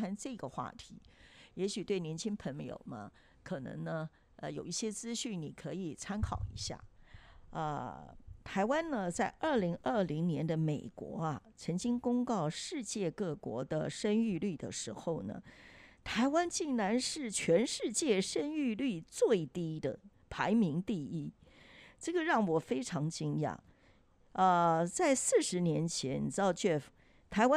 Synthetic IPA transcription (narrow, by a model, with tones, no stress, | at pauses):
a˥nʈ͡ʂɤ˥˩ɡə˩xwa̰˥˩t̪ʰi˧˥jɛ˧˥ɕy˨˩t̪we˥˩ɪnjɛ˧˥nt͡ɕʰi˥ŋpʰə˧˥ŋjo̰˨˩ʊmɐ̰˦ | kʰɤ˨˩nɤ̰˧˥ŋnə˧ | ə˧jo˨˩ʊi˥˩ɕjɛ˥t͡sɹ̩˥ɕy˥˩nni˨˩kʰɤ˧˥i˨˩t͡sʰa˥nkʰɑ˨˩ʊḭ˧˥ɕja̰˥˩ | ə˧t̪ʰa˧˥ɪwa˥nnə˧t͡sa˥˧ɪʔə˞˥˩li˧˥ŋʔə˥˩li˧˥ŋnjɛ˧˥nd̪ə˧me˨˩ɪkwɔ̰˧˥ɐ˨t͡sʰɤ˧˥ŋt͡ɕi˥ŋkʊ˥ŋkɑ˥˧ʊʂɻ̩˥˧t͡ɕjɛ˥˧kɤ˥˩kwɔ̰˧˥d̪ə˧ʂə˥ny˥˧ly˥˩d̪ə̰˩ʂɻ̩˧˥xo˥˩ʊnə̰˩t̪ʰa˧˥ɪwa˥nt͡ɕi˥˩ŋna˧˥nʂɻ̩˥˩t͡ɕʰɥɛ˧˥nʂɻ̩˥˧t͡ɕjɛ˥˩ʂə˥ny˥˧ly˥˩t͡swe˥˩ɪt̪i˥d̪ə̰˨ | pʰa˧˥ɪmi˧˥ŋt̪i˥˧i˥ | ʈ͡ʂɤ˥˩ɡə˩ɻɑ˥˩ŋwɔ˨˩fe˥ɪʈ͡ʂʰɑ˧˥ŋt͡ɕi˥ŋjɑ̰˥˩ŋ | ə˧t͡sa˥˧ɪsɹ̩˥˩ʂɻ̩˧˥njɛ˧˥nt͡ɕʰjɛ˧˥nni˨˩ʈ͡ʂɻ̩˧˥ɑ˧ʊt͡ɕɥɛ˥˩f | t̪ʰa˧˥ɪwa˥